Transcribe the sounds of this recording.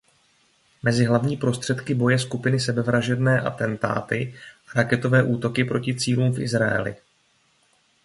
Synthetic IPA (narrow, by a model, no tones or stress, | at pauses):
mɛzɪɦlavɲiːpɾo̞st̪r̥ɛt̪kɪbo̞jɛskupɪnɪsɛbɛvɾaʒɛdnɛːʔa̰t̪ɛnt̪a̰ːt̪ɪʔaɾakɛt̪o̞vɛːʔuːt̪o̞kɪpɾo̞cɪt͡siːluːmfʔɪ̰zɾaɛ̰lɪ̰